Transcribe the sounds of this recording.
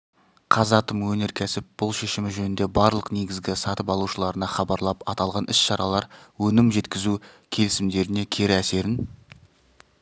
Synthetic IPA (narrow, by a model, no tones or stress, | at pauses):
qʰɑzɑt̪əmwɵne̞ɾkʲʰæsɪp̚b̥ʊlˠʃe̞ʃɪmɪʒɵnɪnd̪e̞bɑɾlˠəqneɡʲɪzɡʲɪsɑt̪əpɑlˠuʃəlˠɑɾənɑχɑbɑɾlˠɑpɑt̪ɑlˠʁɑnɪsʃɑɾɑlˠɑɾwɵnɪmʒe̞t̪kʲɪzu | kʲʰe̞lɪsɪmd̪e̞ɾɪne̞kʲʰe̞ɾɪæse̞ɾɪn